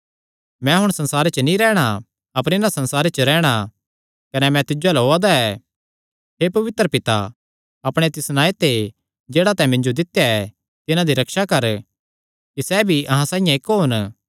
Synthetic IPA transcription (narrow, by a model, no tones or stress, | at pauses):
mɛ̃ɦʊɽ̃sɐ̃nsaːɾet͡ʃənĩɾɛːɽ̃a | ɐpəɾɪnãsɐ̃nsaːɾet͡ʃəɾɛːɽ̃a | kɐnɛmɛ̃t̪ɪd͡ʒolɦoːad̪aɛ | ɦepɐʋɪt̪ɾəpɪt̪a̰ | ɐpɽ̃et̪ɪsnaːet̪e | d͡ʒeːɽat̪ɛ̃mɪ̃ɲd͡ʒod̪ɪt̪jaɛ | t̪ɪnãd̪iɾɐkʃakɐɾ | kisɛbʱiʔɐɦãsãːĩjãekːoɦʊn